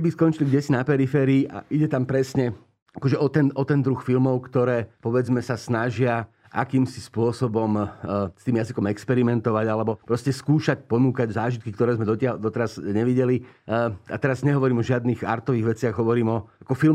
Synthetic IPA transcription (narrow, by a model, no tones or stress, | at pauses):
biskɔnt͡ʃiliɡɟɛsinapɛɾifɛːɾiːʔa̰ʔiɟɛt̪ampɾɛsɲɛ | akɔʒɛʔɔt̪ɛnɔt̪ɛnd̪ɾuxfilmɔʊkt̪ɔɾɛːpɔʋɛd͡zmɛsasnaʒɪa | ʔa̰kiːmsispʊɔsɔbɔmst̪iːmjazikɔmɛkspɛɾimɛnt̪ɔʋaɟalɛbɔpɾɔscɛskuːʃac̚pɔnuːkaɟzaːʒit̪kikt̪ɔɾɛːzmɛd̪ɔtɪad̪ɔt̪ɛɾazɲɛʋiɟɛli | a̰t̪ɛɾazɲɛɦɔʋɔɾiːmɔʒɪad̪niɣa̰ɾt̪ɔʋiːɣʋɛt͡sɪaɣɦɔʋɔɾiːmɔakɔfil